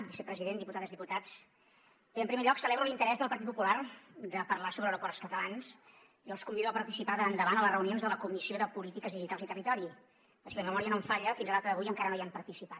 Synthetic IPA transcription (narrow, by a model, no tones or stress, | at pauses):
bisəpɾəziðend̪iput̪aðəzðiput̪at͡s | eəmpɾimeʎɔksəleβɾəlint̪əɾɛzðəlˠpəɾt̪it̪pupulard̪əpərlasoβɾəwɾupɔrskət̪əlans | iəlˠskumbiðuəpəɾt̪isipaðəand̪əβanələsrəunionzðələkumisioðəpulit̪ikəzðiʒit̪alzit̪ərit̪ɔɾi | pəsiləməmɔɾiənoɱfaʎəfinzəlðat̪əðəβujəŋkaɾənojampəɾt̪isipat̪